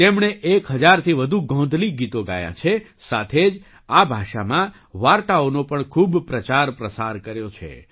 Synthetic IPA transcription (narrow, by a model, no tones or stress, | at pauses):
t̪emɳeʔekɦəd͡ʒaɾt̪ʰiʋəd̪ʱuɡʱɔ̃nd̪ʱliɡit̪oɡa̰jã̰t͡ʃʰesat̪ʰed͡ʒ | abʱaʃamã | ʋaɾt̪aonopəɳkʰubpɾət͡ʃaɾpɾəsaɾkəɾjot͡ʃʰḛ